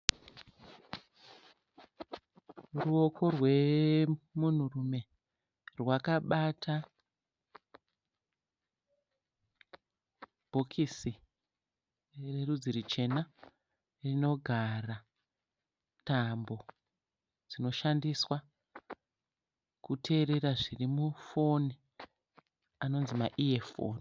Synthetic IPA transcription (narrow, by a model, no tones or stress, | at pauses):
ruo̞kʰo̞rwe̞ | mun̤urume̞ | rwakaɓatʰa | bʱokʰisi | re̞rud͡ziɾit͡ʃe̞na | rino̞ɡʱara | tambo̞ | d͡zino̞ʃandiswa | kutʰe̞ːɾe̞ɾaʐirimufo̞ni | ano̞nzimaʔiefo̰ni